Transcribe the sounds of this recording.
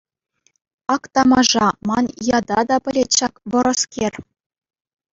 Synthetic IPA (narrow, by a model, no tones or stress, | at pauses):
ɑkt̪ɑmɑʐɑmɑnjɑd̪ɑd̪ɑpʲɘ̆lʲet̪ʲɕɑkʋɤ̆ɾɤ̆skʲerʲ